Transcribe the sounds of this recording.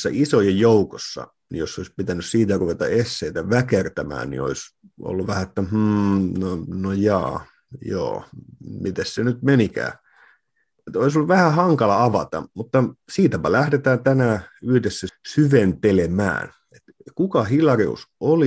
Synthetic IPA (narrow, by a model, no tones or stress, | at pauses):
sːæʔisojɑjjoukosːɑ̰ | nḭjosːoispit̪ænyssiːt̪æruʋet̪ɑ̰esːeit̪æʋækert̪æmæ̰ːnnḭo̰is | ʔo̰lːuʋʋæhæet̪ːæm̩ːnonojɑ̰ː | jo̰ːmit̪essenyt̪menikæ̰ː | et̪oisoluʋæhæhɑŋkɑlɑɑʋɑt̪ɑ̰mut̪ːɑsiːt̪æpælæhdet̪æːnt̪ænæːyhdesːæsyʋent̪elemæ̰ːn | et̪kukɑhilˑɑrḭṵsoli